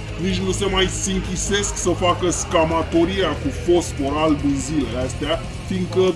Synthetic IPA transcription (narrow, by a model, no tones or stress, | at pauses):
nit͡ʃʲnuse̞majsɨŋkʲise̞sksəfakəskamat̪o̞ɾiakufo̞sfo̞ɾald̪inzileleast̪ea | fiŋkə